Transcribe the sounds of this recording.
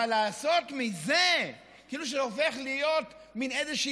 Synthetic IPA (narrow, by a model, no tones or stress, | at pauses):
alaːso̞t̪mize | kiːluʃ̬eofeχlijo̞t | minezeʃi